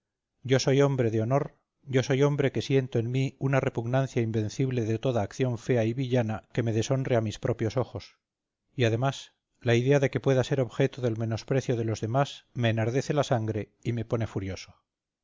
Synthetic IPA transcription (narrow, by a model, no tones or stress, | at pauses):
ɟ͡ʝo̞so̞jo̞mbɾe̞ðeo̞no̞ɾ | ɟ͡ʝo̞so̞jo̞mbɾe̞ke̞sje̞nt̪oenmiunare̞puɣnanθjaimbe̞nθiβle̞ðe̞t̪oðaːkθjo̞ɱfe̞aiβiʎanake̞me̞ðe̞so̞nreamispɾʔo̞pjo̞so̞xo̞s | iaðe̞mas | laiðe̞aðe̞ke̞pwe̞ðase̞ɾo̞βxe̞t̪oðe̞lme̞no̞spɾe̞θjoð̞e̞lo̞zðe̞masme̞ːnaɾðe̞θe̞lasaŋɡɾe̞ | imepo̞ne̞fuɾjo̞so̥